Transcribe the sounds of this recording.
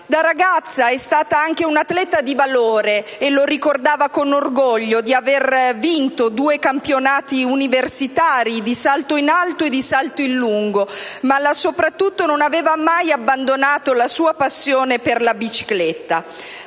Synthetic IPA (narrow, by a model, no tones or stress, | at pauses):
d̪aɾaɡat̪sːaɛst̪aːt̪aaŋk̟eunat̪ːlɛt̪ad̪ivaloːɾeːloɾikord̪aːvakonorɡoʎːod̪iavervint̪od̪uːekampjonaːt̪iuniversit̪aːɾid̪isalt̪oinalt̪oed̪isalt̪oinluŋɡomalasopɾat̪ːut̪ːononaveːvamajabːand̪onaːt̪olasuːapasːjoːneperlabit͡ʃi̥klɛt̪ːa̰